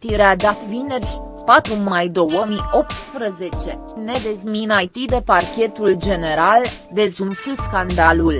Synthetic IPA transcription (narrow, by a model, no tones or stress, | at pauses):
t̪iɾead̪at̪vinerʲ | pat̪ɾumajd̪o̞wəmio̞p̚t̪spɾəze̞t͡ʃe̞ | ne̞d̪ezminajt̪id̪e̞parkʲe̞t̪uld͡ʒe̞ne̞ɾald̪e̞zunfɨskand̪alul